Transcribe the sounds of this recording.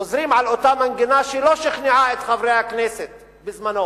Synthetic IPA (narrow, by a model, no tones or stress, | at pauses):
ozɾimʕalot̪amanɡinaʃɛloʃiχniʕaet̪χavɾejhakneset̪ | bɪzmano